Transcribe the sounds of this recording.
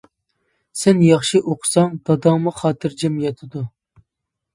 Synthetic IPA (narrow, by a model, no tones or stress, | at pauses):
sɛnjɑχʃɨʔoqʰʊ̥sɑŋd̪̥ɑd̪ɑŋmuχɑːt̪ʰɨɾd͡ʒɛmjɑt̪ʰɨd̪u